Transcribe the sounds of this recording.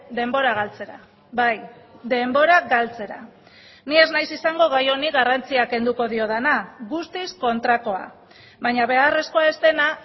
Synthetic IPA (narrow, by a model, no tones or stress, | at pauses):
d̪e̞mbo̞ɾaɣ̞alt͡se̞ɾa | βajd̪e̞mbo̞ɾaɡalt͡se̞ɾa | nie̞znajsisaŋɡo̞ɣ̞ajo̞niɣarant͡siake̞nd̪uko̞ð̞io̞ð̞enaɣust̪isko̞nt̪ɾako̞a̰ | βaɲaβe̞are̞sko̞ae̞st̪ena